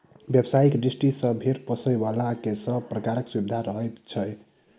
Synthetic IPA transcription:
bjebsaikdɾisʈisə̃bʱeɾpəsəjbalakesə̃pɾəkaɾəksubid̪ʱaɾəɦɛt̪t͡ʃʰəj

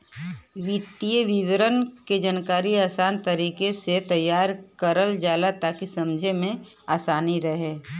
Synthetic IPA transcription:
ʋɪt̪ijəʋɪʋɾənked͡ʒənkaːɾiaːsaːnt̪əɾiːkeset̪ɐjːaːɾkəɾəld͡ʒaːlat̪aːkisɐmd͡ʒʱemẽ | aːsaːniɾəɦeː

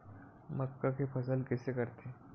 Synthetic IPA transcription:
məkːakʰepʰəsəlkɛsekəɾt̪e

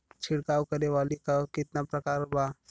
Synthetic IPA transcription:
t͡ʃʰɪɽkaːwkəɾeʋaːlikakɪt̪napɾɐkaːɾba

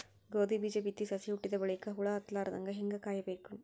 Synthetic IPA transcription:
ɡoːd̪ibiːd͡ʒeːbit̪ːisɐsiuʈːiðɐʋɐɭɐkːɐɦuɭaːɐt̪ːlaːɾɐðɐ̰ŋɡɐɦeŋɡɐkaːjɐbeːkum

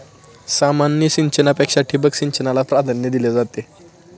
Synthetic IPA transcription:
samanːjəɕiɲt͡ɕənapekʂaʈʰibəkɕiɲt͡ɕənalapɾad̪ʱənjəd̪iled͡zat̪e

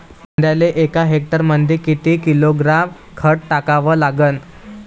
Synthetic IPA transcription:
ənd̪jaleʔekaɦek̚ʈəɾmənd̪ikit̪iːkiloɡɾam | kʰəʈʈakaʋəːlaɡən

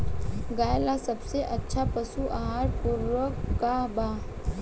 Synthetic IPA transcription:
ɡaːjəlasɐbseʔɐtːʃʰapɐsuʔaɦaːɾpuɾʋəkːabaː

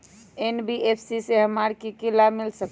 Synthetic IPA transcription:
enbiʔepʰsiseɦəmaɾkikilamilsək

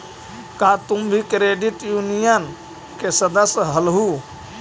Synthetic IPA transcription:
kat̪umbʱikɾeɖiʈjunijən | kesəd̪əsɦəlɦu

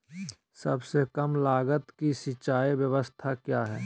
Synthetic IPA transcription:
sɐ̰bsekəmlaːɡət̪kisɪt͡ʃaːiʋjəʋəst̪ʰakjaːɦɛː

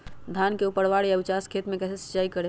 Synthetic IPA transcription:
d̪ʱankeupəɽʋaɽjaəbit͡ʃaskʰet̪mẽkɛsesi̥t͡ʃːajikəɽe

